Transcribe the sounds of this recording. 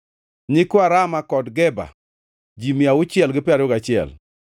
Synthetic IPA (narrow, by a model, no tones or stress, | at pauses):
ɲɪkoaɾamakɔdɡɛba̰ | d͡ʒimjaʊt͡ʃɪɛlɡɪpɪaɾʊɡat͡ʃɪɛ̰l